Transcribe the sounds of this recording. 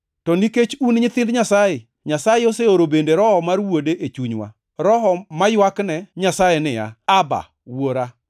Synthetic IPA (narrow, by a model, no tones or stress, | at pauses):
tɔniket͡ʃunɲɪt̪ɪndɲasaje | ɲasajeoseoɾobendeɾɔhɔmarwodeʔet͡ʃuɲwa̰ | ɾɔɦɔmajwaknɛɲasajenɪja̰aba̰ | woɾa